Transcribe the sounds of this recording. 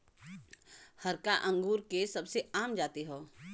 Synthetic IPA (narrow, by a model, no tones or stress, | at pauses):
hɐɾkaʔɐ̃ŋɡuːɾkesɐbseaːmd͡ʒaːt̪iɦoː